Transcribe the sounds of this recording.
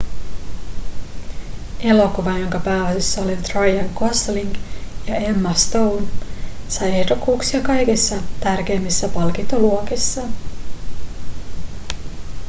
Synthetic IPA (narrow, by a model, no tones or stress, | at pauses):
e̞lo̞koʋɑjo̞ŋkɑpæːosisːɑolit̪rɑjɑŋkosliŋɡjɑemːɑst̪o̞wnsɑje̞hdo̞kːuːksiɑkɑjk̟isːɑt̪ærk̟e̞ːmːisːæpɑlk̟int̪oluok̟isːɑ